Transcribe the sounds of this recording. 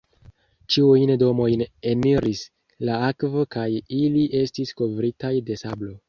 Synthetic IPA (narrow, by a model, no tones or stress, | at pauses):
t͡ʃiujndo̞mo̞jne̞niɾis | laakvo̞kajiliʔe̞stisko̞vɾitajde̞sablo̞